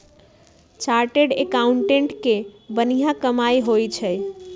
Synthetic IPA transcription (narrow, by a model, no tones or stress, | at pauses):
t͡ʃaɾʈeɖekauɳʈeɳʈkebənijakəmajɦojt͡ʃʰəj